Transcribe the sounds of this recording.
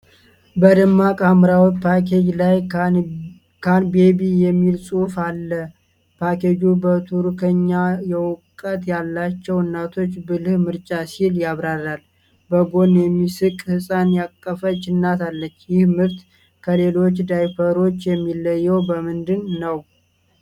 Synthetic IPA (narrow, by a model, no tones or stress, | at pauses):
bəd̪ɨmːakʼamɨɾawt̪pʰakʰed͡ʒlaj | kʰanbe̞bijɛmːilsʼufalːə | pʰake̞d͡ʒubət̪ʰuɾkʰəɲːajɛwʊkʼːət̪jalːat͡ʃːɛwɨnːat̪ʰo̞t͡ʃːbɨlɨhmɨɾt͡ʃʼasiljaβɾaɾal | bəɡo̞njɛmːisɨkʼhɨsʼanjakʼːəfət͡ʃɪnːat̪ʰalːət͡ʃːjɪhmɨɾt̪ | kʰəle̞lo̞t͡ʃːd̪ajfəɾo̞t͡ʃːjɛmːilːəjːɛwbəmɨnd̪ɨnːəw